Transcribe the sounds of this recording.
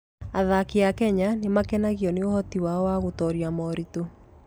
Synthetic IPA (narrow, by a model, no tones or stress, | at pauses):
aðakiakɛɲanemakɛnaɣjɔneohɔtiwaɔwaɣotɔɾiamɔɾito